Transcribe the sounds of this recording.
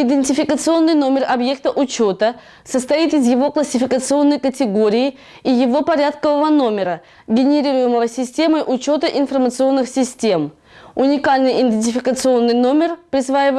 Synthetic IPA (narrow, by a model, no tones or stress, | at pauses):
ɪd̪ʲɪnʲtʲɪfʲɪkət̪sɨo̞nːɨjno̞mʲɪrɐbje̞k̚t̪əʔʊt͡ɕo̞t̪ə | səst̪ɐit̪ɪzjɪvo̞klˠəsʲɪfʲɪkət̪sɨo̞nːəjkətʲɪɡo̞ɾʲɪɪ | ijɪvo̞pɐɾʲat̪kəvəvəno̞mʲɪɾə | ɡʲɪnʲɪɾʲiɾʊjɪməvəsʲɪsʲtʲe̞məjʔʊt͡ɕo̞t̪əʔɪnfərmət̪sɨo̞nːɨxsʲɪsʲtʲe̞m | ʊnʲɪkalʲnɨjʔɪnʲd̪ʲɪnʲtʲɪfʲɪkət̪sɨo̞nːɨjno̞mʲɪrpɾʲɪsvajɪvə